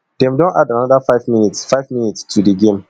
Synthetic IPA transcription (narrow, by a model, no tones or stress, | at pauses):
d̥ɛ̃mdõnadanadafaɪvminitsfaɪvminitstʰudiɡẽm